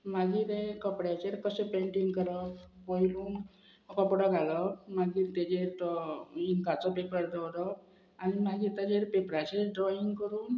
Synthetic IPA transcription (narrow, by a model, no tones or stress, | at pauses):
maɡiːɾekəpɽjat͡ɕeɾkəsepeɳʈiŋɡkəɾəbojluːn | kəpɽəɡʱalɔmaɡiːɾt̪ad͡ʑeɾɔiŋkat͡sɔpepəɾd̪əwɾɔ | animaɡiːt̪ad͡ʑeɾpepɾat͡ɕeɖɾɔiŋɡkəɾuːn